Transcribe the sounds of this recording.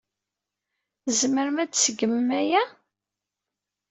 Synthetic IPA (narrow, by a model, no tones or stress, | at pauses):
zməɾmæt͡sːsəɡəmːæjæ